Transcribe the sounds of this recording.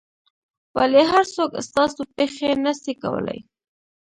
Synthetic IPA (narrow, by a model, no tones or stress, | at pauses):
wa̰leɦaɾsokst̪ɑsopexenəsika̰wə̰la̰j